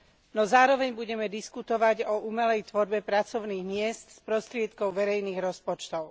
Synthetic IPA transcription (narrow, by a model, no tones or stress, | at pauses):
nɔzaːɾɔʋɛɲbuɟɛmɛd̪iskut̪ɔʋaɟɔʔuːmɛlɛjt̪ʋɔɾbɛpɾat͡sɔʊniːɣmɪɛst̪spɾɔst̪ɾɪɛt̪kɔʊʋɛɾɛjniːɣɾɔspɔt͡ʃt̪ɔʊ